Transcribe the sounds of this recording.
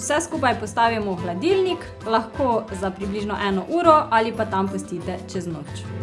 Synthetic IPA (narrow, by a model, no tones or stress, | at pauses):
sɛskuːpajpɔst̪aːwjamɔxlad̪ilnik | laxkoːzapɾibliːʒnɔʔɛːnɔʔuːɾɔʔalipat̪ampɔst̪iːt̪ɛt͡ʃɛznoːt͡ʃ